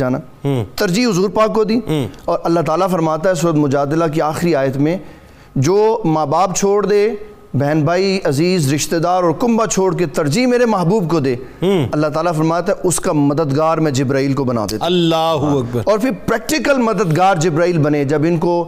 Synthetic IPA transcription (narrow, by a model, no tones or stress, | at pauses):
aːnaː | t̪əɾd͡ʒiɦʊzuːɾpaːkːod̪iːɔːɾʔɐlːaɦt̪aːlafɐɾmaːt̪aɦɛs̬uːɾət̪mʊd͡ʒaːd̪ɪlak̬iaːxɾiaːjət̪mẽ | d͡ʒoːmaːbaːb̚t͡ʃʰoːɽd̪eː | bɛːnbaːiɐziːzɾɪʃt̪ed̪aːɾɔːɾkʊmbat͡ʃʰoːɽket̪ɐɾd͡ʒimeːɾemɐɦbuːb̚kod̪eː | ɐlːaɦt̪aːlafɐɾmaːt̪ɛʔʊskamɐd̪əd̪ɡaːɾmɛ̃d͡ʒɪbɾaːiːlkobɐna̰ːd̪eːt̪ɐlːaːɦʊɐk̚bəɾɔːɾpʰɪɾpɾɛːk̚ʈɪkəlmɐd̪əd̪ɡaːɾd͡ʒɪbɾaːiːlbɐned͡ʒɐbɪnko